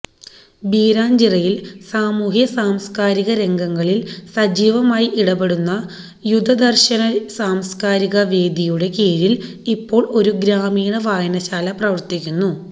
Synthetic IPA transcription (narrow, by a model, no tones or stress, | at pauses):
biːɾaːɲd͡ʑirɐjilsaːmuːɦjɐsaːmskaːɾiɣɐɾe̞ŋɡɐŋːɐɭilsɐd͡ʑiːʋɐmaːjiʔiɽɐbe̞ɽunːɐ | jud̪ʱɐd̪ɐrɕɐnɐsaːmskaːɾiɣɐʋe̞ːd̪ijuɽe̞keːɾil | ipːo̞ːɭo̞ɾuɡɾaːmiːɳɐʋaːjɐnɐɕaːlɐprɐʋɐrt̪ikʲːunːu